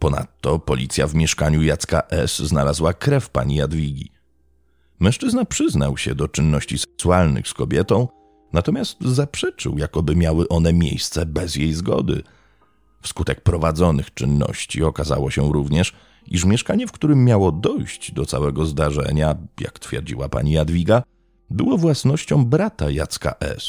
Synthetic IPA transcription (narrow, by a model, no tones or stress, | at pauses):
pɔna̰t̪ːɔpɔlʲit̪sʲjavmʲjɛʂkaɲujat̪ska̰ʔɛsznalazwakɾɛfpa̰ɲijad̪vʲiɡʲḭ | mɛ̃ʂt͡ʂɘznapʂɘznawɕɛd̪ɔt͡ʂɘnːɔɕt͡ɕisɛksualnɘ̰xskɔbʲjɛt̪ɔ̃w̃ | nat̪ɔmʲjast̪zapʂɛt͡ʂɨ̰wjakɔbɘmʲjawɘʔɔnɛmʲjḛjst̪sɛbɛzjejzɡɔ̰d̪ɘ̰ | fskut̪ɛk̚pɾɔvad̪zɔnɘxt͡ʂɘnːɔ̰ɕt͡ɕiɔkaza̰wɔɕɛɾuvɲɛʂ | ʔiʂ̬mʲjɛʂkaɲɛfkt̪uɾɘmːjawɔd̪ɔjɕt͡ɕd̪ɔt̪sawɛɡɔzd̪aʐɛ̰ɲaja̰kt̪fʲjɛ̰ɾd͡ʑḭwapa̰ɲijad̪vʲiɡa | bɘwɔvwasnɔɕt͡ɕɔ̃w̃bɾat̪ajat̪ska̰ʔɛ̰s